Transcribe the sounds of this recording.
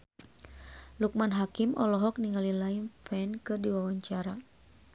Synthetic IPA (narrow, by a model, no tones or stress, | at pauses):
luk̚manɦakimʔɔlɔɦɔk̚niŋalilainfɛnkɨrdiwawaɲt͡ʃaɾa